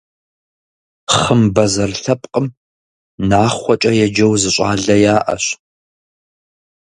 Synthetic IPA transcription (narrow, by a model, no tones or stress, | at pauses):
χəmbɐzɐrɬɐpʼqʼəm | naːχʷɔt͡ʃʼɐjɛd͡ʒɐwzɨɕʼaːɮɐjaːʔɐ̰ɕ